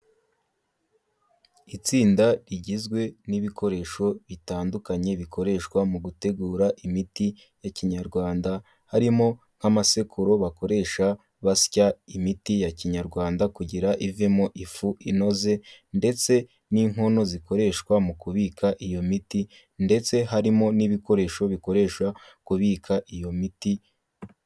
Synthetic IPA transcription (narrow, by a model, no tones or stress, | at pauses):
it͡siːndaɾiɟizɡwe̞niβikʰo̞ɾe̞ʃo̞βitaːndukaɲe̞βiko̞ɾe̞ʃkwamuɡute̞ɡuːɾaʔimiti | jaciɲaɾɡwaːnda | haɾimo̞ | ŋ̥hamase̞kʰuɾo̞βako̞ɾe̞ːʃa | βascaimitijaciɲaɾɡwaːndakuɟiɾaʔivemo̞ʔifuʔino̞ze̞nde̞t͡se̞ | niŋ̥ɦo̞no̞ziko̞ɾe̞ʃkwamukuβiːkʰaʔijo̞miti | nde̞t͡se̞ɦaɾimo̞niβiko̞ɾe̞ːʃo̞βiko̞ɾe̞ːʃwa | kuβiːkʰaʔijo̞miti